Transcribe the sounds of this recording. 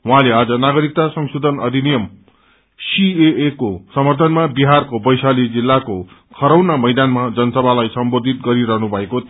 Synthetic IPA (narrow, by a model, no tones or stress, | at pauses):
ɦwɦãlead͡zʌnaɡʌɾik̚t̪asʌŋsud̪ʱʌnʌd̪ʱinijʌm | sieekosʌmʌrt̪ʰʌnmabiɦarkobʌjsalid͡zilːako | kʰʌɾʌwnamʌjd̪anmad͡zʌnʌsʌbʱalajsʌmbod̪ʱit̪ɡʌɾiɾʌɦnubʱʌeko